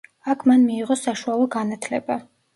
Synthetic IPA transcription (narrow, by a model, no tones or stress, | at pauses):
akʰmanmiːʁɔsaʃualˠɔɡanat̪ʰlɛ̰ba